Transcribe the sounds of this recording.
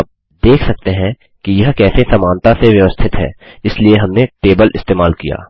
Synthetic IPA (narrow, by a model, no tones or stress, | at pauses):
ɐp̚ | d̪eːkʰsɐk̚t̪eɦɛ̃ | kijɐɦkɛːsesɐmaːnt̪aseʋjɐʋəst̪ʰɪt̪ɦɛ̰ː | ɪslieɦɐmneʈeːbəlʔɪ̰st̪eːmaːlkija̰ː